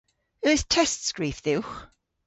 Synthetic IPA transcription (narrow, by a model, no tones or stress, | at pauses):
əːθtʰɛstsɡ̥ɹiːfðɪwx